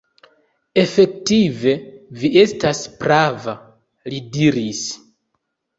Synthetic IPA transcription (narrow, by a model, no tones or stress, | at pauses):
e̞fe̞ktive̞viʔe̞staspɾava | lidiɾis